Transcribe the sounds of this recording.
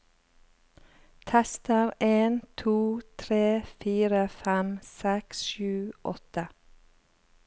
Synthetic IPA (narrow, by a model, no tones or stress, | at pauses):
t̪ʰɛst̪əɾeːnt̪ʰuːt̪ʰɾeːfiːɾəfæmsɛksʃʉːʔɔ̰t̪ə